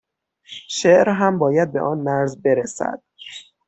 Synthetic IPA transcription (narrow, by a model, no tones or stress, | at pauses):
ʃeʔɾɦæmbɒːjæd̪̚be̞ʔɒːnmæɾzbe̞ɾesæ̰d̪̥̚